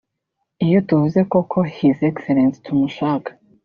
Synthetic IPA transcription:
ijo̞tuvuze̞ko̞kʰo̞hizekseɾenstʰumuʃaːkḁ

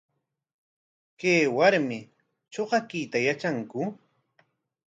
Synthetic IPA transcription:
keːwaɾmɪ | t͡ʃoɢɑkit̪ajat͡ʃaŋkʊ

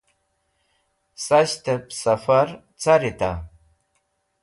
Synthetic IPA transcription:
saɕt̪əpsafaɾ | t͡saɾɪt̪a̰

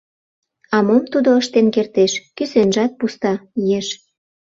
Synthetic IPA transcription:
ɑmomt̪ud̪oəʃt̪enkert̪eʃkysenʒɑt̪̚pust̪ɑijeʃ

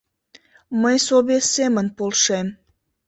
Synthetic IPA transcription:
məjsoβesemənpolʃem

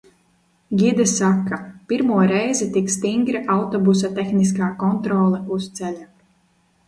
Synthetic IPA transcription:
ɡʲid̪ɛsakːapiɾmuɔɾɛjzɛt̪ikst̪iŋɡɾiʔawt̪ɔbus̬at̪exnis̬kaːkɔnt̪ɾɔːlˠɛust̪sɛlʲa

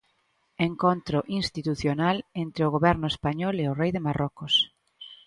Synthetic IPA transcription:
eŋkont̪ɾʊʔinst̪it̪uθjonalent̪ɾeʊɣoβɛɾnʊespaɲɔleʊrɛjðɪmarɔkʊs

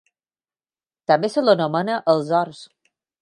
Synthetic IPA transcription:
t̪əmbesələnomənəʔəlˠzɔɾs

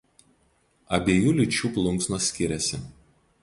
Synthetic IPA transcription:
ɐbʲeːjuːlʲɪt͡ʃʲuːplˠʊŋksnoːsʲkʲɪɾʲɛsʲɪ

